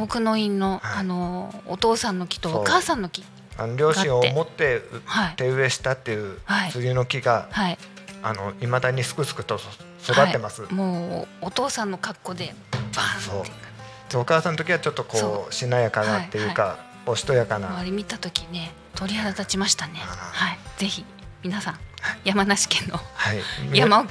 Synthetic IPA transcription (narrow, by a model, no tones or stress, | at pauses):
okɯ̟no̞ĩnːo̞ano̞̰ːt̪o̞ːsãnːo̞kʲi̥t̪okaːsãnːo̞kʲi̥ | a̰noɾʲo̞ːɕĩɰ̃omo̞t̪ːe̞hait̪e̞ɯ̟e̞ɕi̥t̪at̪ːe̞jɯ̟hait͡sɨɡʲɯno̞kʲiɡahai | ano̞imad̪aɲ̟isɨ̥kɯ̟sɨ̥kɯ̟̥t̪o̞ | sod̪atiːemasɨmoːt̪o̞ːsãnːokakːo̞d̪e̞ | aso̞ː | d̪̥eokaːsãnot̪o̞kʲiβat͡ɕo̞t̪ːo̞ko̞oːɕinajakanat̪ːe̞jɯka | o̞ɕi̥t̪o̞jakanaβaɾʲimʲit̪at̪o̞kʲine̞ | t̪ʰo̞ɾʲihad̪at̪at͡ɕimaɕi̥t̪ane̞haiz̥e̞çi | mʲinasãŋjamanaɕi̥kẽnːohaijama